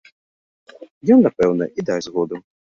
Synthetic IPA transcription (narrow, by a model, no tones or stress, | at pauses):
jɔnːapɛwnɐ̰ʔid̪ajzɣɔd̪u